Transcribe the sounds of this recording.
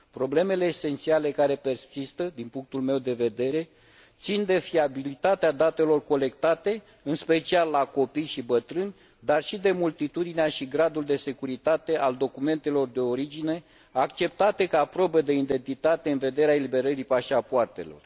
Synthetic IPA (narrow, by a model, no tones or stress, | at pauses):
pɾo̞ble̞me̞le̞ːse̞nt̪siale̞kaɾe̞pe̞rsist̪əd̪inpuŋk̚t̪ulme̞wd̪e̞ve̞d̪e̞ɾe̞ | t̪sind̪e̞fiabilit̪at̪ead̪at̪e̞lo̞rko̞le̞kt̪at̪e̞ | ɨnspe̞t͡ʃialːako̞pijʃibət̪ɾɨnʲ | d̪arʃid̪e̞mult̪it̪ud̪ineaʃiɡɾad̪uld̪e̞se̞kuɾit̪at̪e̞ʔald̪o̞kume̞nt̪e̞lo̞rd̪e̞o̞ɾid͡ʒine̞ | akt͡ʃe̞p̚t̪at̪e̞kaːpɾobed̪e̞ind̪e̞nt̪it̪at̪e̞ɨnve̞d̪e̞ɾeaelibe̞ɾəɾipaʃapoart̪e̞̰lo̞̰r